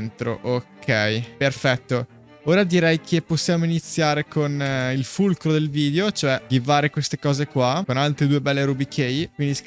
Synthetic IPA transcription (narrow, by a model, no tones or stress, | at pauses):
nt̪ɾo̰ʔokʰːɛjperfɛt̪ːo | oːɾad̪iɾɛjkʰepːosːjaːmoinit̪sːjaːɾekʰonilfulkɾod̪elviːd̪eot͡ʃoɛd̪ivaːɾekwest̪ekɔːzekwakonalt̪ɾed̪uːebɛlːeɾubikʰejk̚wind̪is